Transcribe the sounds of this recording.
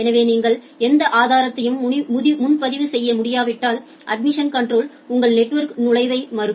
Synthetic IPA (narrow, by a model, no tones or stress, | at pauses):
ɛnɐʋeːniːŋɡɐɭ | ɛnd̪ɐʔaːðaːɾɐt̪ːɐjɯmʊðɪmʊnpɐðɪʋɯsɛjːɐmʊɽɪjaːʋɪʈːaːl | ʔɐ̰ɖ̚mɪʂɐnkɐɳɖroːl | ʊŋɡɐɭnɛʈːʋɐɾknʊɻɐɪʋɐɪmɐɾɯ